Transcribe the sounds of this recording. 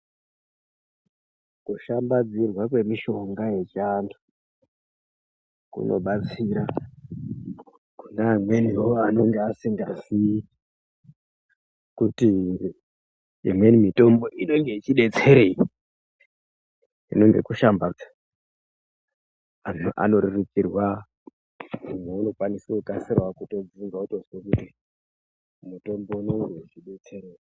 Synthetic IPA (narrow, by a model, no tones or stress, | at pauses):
kuʃambad͡zirwakwe̞miʃo̞ŋɡaje̞t͡ʃando | kṵnʔo̞̰ɓat͡siɾa | kundamwe̞niwoano̞ŋɡeasiŋɡazi | kuti | ḭmwe̞nimito̞mbo̞ʔino̞ŋɡe̞it͡ʃiɗe̞t͡se̞ɾei | ḭno̞ŋɡe̞̰kuʃambaa | a̰no̞ɾurikirwa | imeuno̞kwaniseukasirwakuto̞d͡ziŋɡautozwekuti | muto̞mbo̞uno̞ŋɡe̞it͡ʃiɗe̞t͡se̞ɾei